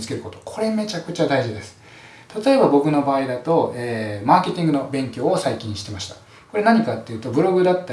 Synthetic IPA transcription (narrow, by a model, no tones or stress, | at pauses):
t͡sɨ̥ke̞ɾɯ̟ko̞t̪o̞̥kʰo̞ɾe̞me̞t͡ɕakɯ̟t͡ɕad̪aiʑid̪e̞sɨ̥ | t̪at̪o̞e̞babo̞kɯ̟no̞baːid̪at̪o̞eːmaːke̞t̪ʲĩŋɡɯ̟no̞bẽ̞ŋkʲo̞ːsaikʲĩɕi̥t̪e̞maɕi̥t̪ḁ | ko̞ɾe̞naɲ̟ikat̪ːe̞iɯ̟ːt̪o̞bɯ̟ɾo̞ɡɯ̟d̪at̪ːa